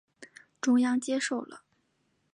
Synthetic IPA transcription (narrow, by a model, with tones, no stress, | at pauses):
ʈ͡ʂʊ˥ŋjɑ˥ŋt͡ɕjɛ˥ʂo˥˩ʊlə̰˨˩